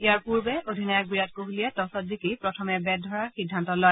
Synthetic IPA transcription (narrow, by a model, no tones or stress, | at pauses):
ijaɹpuɹbɛʔodʱinajɔk̚bɹijat̚koɦulijɛtɔsɔtzikipɹɔtʰɔmɛbɛd̚dʱɔɹaxidʱːantɔlɔj